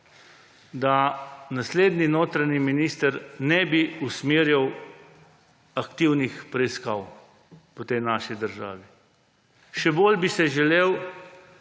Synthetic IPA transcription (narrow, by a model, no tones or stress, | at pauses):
d̪anasleːd̪ninoːt̪ɾaniminiːst̪əɾnɛbiusmeːɾjiw | akt̪iwnixpɾɛiskaːw | pɔt̪ejnaːʃid̪əɾʒa̰ːʋi | ʃɛboːlbisɛʒɛleːw